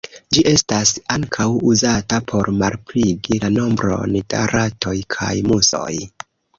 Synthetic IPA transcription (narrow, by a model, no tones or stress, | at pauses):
d͡ʒiʔe̞stasaŋkʰawuzatapʰo̞ɾmaɾpɾiɡilano̞mbɾo̞̰nda̰ɾatʰo̞jkʰa̰jmuso̞̰j